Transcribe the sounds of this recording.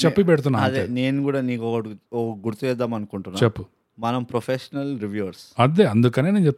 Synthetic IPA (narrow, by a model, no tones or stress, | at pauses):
t͡ʃepːipɛɽt̪̬unːaɐd̪eːneːnukuːɽaːniːkɔkɐɔkɐɡuɾut̪uʋɛd̪aːmɐnukuɳʈunːat͡ʃːepːu | mɐnɐmpɾopʰeʂɐnɐlɾiʋjuʋɐɾsɐd̪eːɐnd̪ukɐneːneːnt͡ʃep̚t